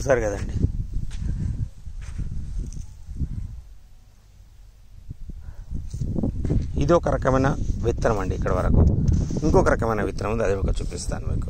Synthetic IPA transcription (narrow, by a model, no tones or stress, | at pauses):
saːɾkɐd̪ɐɳɖi | ḭd̪iɔkɐɾʔɐkɐmɐjnɐʋit̪ːɾɐmɐɳɖiːkːɐɽɐʋɐɾɐkṵiŋkɔːkɐɾɐkɐmɐjnɐʋit̪ːɾɐmund̪ɐd̪eɔkɐt͡ʃuːpist̪a̰ːnumiːku